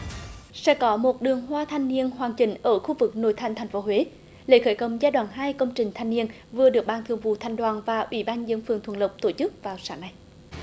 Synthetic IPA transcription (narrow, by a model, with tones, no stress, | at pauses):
sɛ̰˧˥kɔ˨˦mo˨˩t̚ɗɨ˨˩əŋɦwaː˧t̪ʰa˧jŋni˧ənhwaː˨˩ŋt͡ɕï˧˩ŋ̟ʔəː˧˩xu˧vɨ˨˩k̚no̰˧˨jt̪ʰa˧jŋ̟t̪ʰa˨˩jŋ̟fo˨˦ɦwe˨˦ | lḛ˧˥xəː˧˩jkə˧˩wŋ͡mzaː˧jɗwaː˧˨nɦaː˧jkə˧wŋ͡mt͡ɕï˨˩ŋ̟t̪ʰa˧jŋni˧ən | vɨ˨˩əɗɨ˨˩ək̚ɓaː˧˩ŋt̪ʰɨ˧əŋvṵ˧˨t̪ʰa˨˧jŋ̟ɗwaː˨˩nvaː˨˩ʔwḭ˧˩ɓaː˧nzɨ̰˧˥ənfɨ˨əŋt̪ʰə˧˨˩nlə˨˩wk͡p̚t̪o˧˩t͡ɕɨ˦˥k̚vaː˨˩wsaː˨˦ŋna˨˧˩j